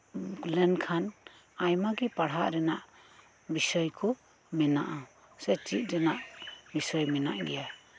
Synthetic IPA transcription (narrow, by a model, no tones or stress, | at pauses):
lɛnkʰan | ajmaɡipaɽɦaʔɾɛnaʔ | bisəjkʰɔ | mɛnaʔa | sɛt͡ʃit̪̚ɾɛnaʔbisəjmɛnaʔɡɛja